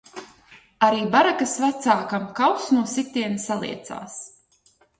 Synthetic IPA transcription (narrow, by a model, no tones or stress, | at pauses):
aɾiːbaɾakasvat̪saːkamkawsnuɔsit̪iɛnsalˠḭɛt̪sa̰ːs